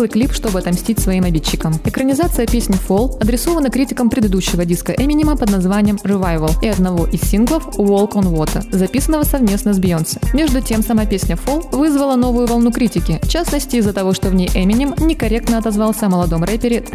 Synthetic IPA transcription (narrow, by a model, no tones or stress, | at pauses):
lˠɨjklʲipʂt̪o̞bɨɐt̪ɐmsʲtʲitʲsvɐimɐbʲitʲt͡ɕɕːɪkəmɪkɾənʲɪzat̪sɨjəpʲesʲnʲɪfolˠɐd̪ɾʲɪso̞vənəkɾʲitʲɪkəmpɾʲɪd̪ɨd̪uɕːɪvədʲiskəʔɛmʲɪnʲɪməpəd̪nɐzvanʲɪjəmrɨvajvəlˠɪɐd̪nɐvoʔɪsʲsʲinɡlˠəfvolˠkonvo̞t̪əzɐpʲisənːəvəsɐvmʲe̞snəzʲbʲjonsə̥mʲe̞ʐd̪ʊtʲe̞msɐmapʲesʲnʲəfolˠvɨzvəlˠəno̞vʊjʊvɐlˠnukɾʲitʲɪkʲɪft͡ɕasnəsʲtʲɪːzːət̪ɐvo̞ʂt̪o̞vnʲejʔɛmʲɪnʲɪmnʲɪkɐɾʲe̞k̚t̪nəɐt̪ɐzvalˠsʲəɐməlˠɐd̪o̞mrɛpʲɪɾʲɪt̪